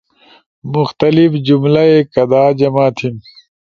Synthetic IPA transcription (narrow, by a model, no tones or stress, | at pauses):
muxt̪ɐlifd͡ʑumlɐekɐd̪aːd͡ʑɐmaːt̪ʰim